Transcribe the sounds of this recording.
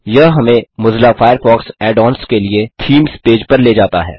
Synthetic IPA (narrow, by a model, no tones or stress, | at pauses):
jɐɦɦɐmẽmʊzlafaːjəɾfɔːksɛːɖɔːnskeliet̪ʰiːmspeːd͡ʒpɐɾleːd͡ʒaːt̪aɦɛ̰ː